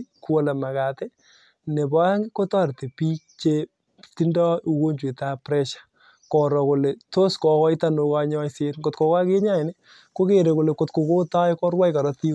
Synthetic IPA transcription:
ku˦o˨la˨ma˨ka˨tɛ˦ | ne˨bɔ˦ja˦ŋɪ˦ko˦tɔ˦˨ɾte˨pi˦t͡ʃe˦ | ti˦ndɔ˦u˨ko˦ɲd͡ʒwe˨ta˦pɾɛ˦ʃḁ˨ | kɔ˨ɾɔ˨ko˨le˨to˦skɔ˨kɔ˦ɪ˦ta˦no˧ka˦ɲɔ˦jse˦nko˨tkɔ˨ka˦ke˦ɲa˦ɪ˨nɛ˦ | ko˦ke˨ɾe˨ko˨le˨ko˨tko˨ko˦ta˦jkɔ˦ɾwa˦jka˨ɾɔ˦ti˦

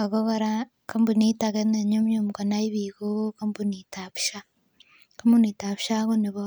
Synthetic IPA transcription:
a˨koɣoɾa | ka˦mbu˨ni˦take˦ne˨ɲo˦mjomu˨ka˨nai˦βikuka˦mbunitaβu̥ʃa˦ | ka˦mbu˦ni˨ta˨βuʃa˦ko˦ni˨βo

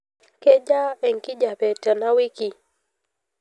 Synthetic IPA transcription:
ke˦d͡ʒa˦ɛ˨ŋ˨ki˦d͡ʒa˨pɛ˨ta˨na˦wi˦ki˨

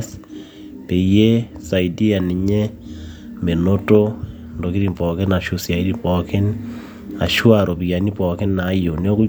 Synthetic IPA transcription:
s | pe˨je˦sa˨idi˦a˨ni˨ɲe˦ | me˨noto˦ | ndoki˦ɾi˨mpɔ˨ke˦na˨ʃu˦sja˨iɾi˦pɔke˦n | a̰˨ʃwaɾo˨βi˨a˨ni˦pɔ˨ke˦nːa˨˦jo˨ni˦o˦ku˦

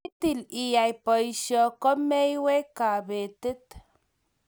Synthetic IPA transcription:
t̪i˨li˨ja˨jpo˨jʃo˧ko˦me˦jwe˦ka˨be˨t̪e˦t̪

